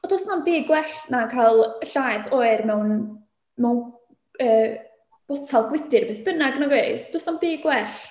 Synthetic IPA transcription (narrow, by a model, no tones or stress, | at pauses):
ɔdɔːsnanbeːɡwɛɬnakʰajlˠəɬajθɔɨrmɛwn | mɛwn | əː | b̥ɔtʰalˠɡwɪdɨrb̥eːθb̥ənaɡənaɡweɨsd̥osnambeːɡwɛɬ